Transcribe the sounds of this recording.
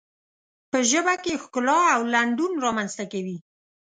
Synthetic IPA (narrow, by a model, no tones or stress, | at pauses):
pəʒəbakexkʊlɑawlaɳɖunɾɑmanz̥t̪akawi